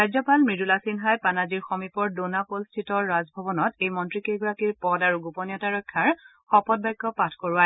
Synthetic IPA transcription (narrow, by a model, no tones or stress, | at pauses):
ɹajzɔpalmɹidulasinɦajpanaziɹxɔmipɔɹdonapolstʰitɔɹːazbʱɔbɔnɔtejmɔntɹikeɡɔɹakiɹpɔdaɹuɡupɔnijɔtaɹɔkʰːjaɹ | xɔpɔt̚bajɡːɔpatʰkoɹʊaj